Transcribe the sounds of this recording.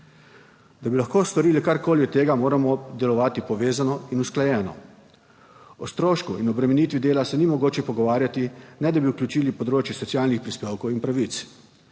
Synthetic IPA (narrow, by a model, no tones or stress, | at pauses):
d̪abilaxkoːst̪ɔɾiːlikaɾkoːlit̪eːɡamoːɾamɔd̪ɛlɔʋaːt̪ipɔʋeːzanɔinusklajɛːnɔ̰ | ɔst̪ɾoːʃkuinɔbɾɛmɛniːt̪ʋid̪eːlasɛnimɔɡoːt͡ʃɛpɔɡɔʋaːɾjat̪inɛd̪abiuklʲut͡ʃiːlipɔd̪ɾoːt͡ʃjɛsɔt̪sijaːlnixpɾispeːwkowinpɾaʋit̪s